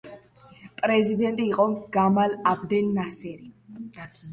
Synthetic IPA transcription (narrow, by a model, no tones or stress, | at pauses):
pʼɾɛzid̪ɛnt̪ʼiːqʼɔɡ̥amalabd̪ɛnːasɛɾi